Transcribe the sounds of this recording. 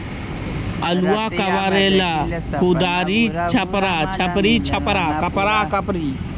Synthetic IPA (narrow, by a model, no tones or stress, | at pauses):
ɐluaːkɐʋaːɾeːlaːkud̪aːɾiːt͡ʃʰɐpɾaːt͡ʃʰɐpɾiːt͡ʃʰɐpɾaːkɐpɾaːkɐpɾiː